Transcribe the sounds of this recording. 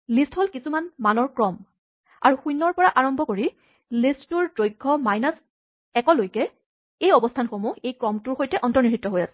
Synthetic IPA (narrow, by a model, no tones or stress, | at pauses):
listholkisumanmanɔɹkɹɔm | a̰ɹuxujnːɔɹpɔɹaʔaɹɔmbʱɔkoɹi | listtuɹdɹojɡʱːɔmajnas | ɛkɔlojkɛ | ejɔbɔstʰanxomuejkɹɔmtʊɹxojtɛʔɔntɔɹniɹitːɔɦojasɛ̥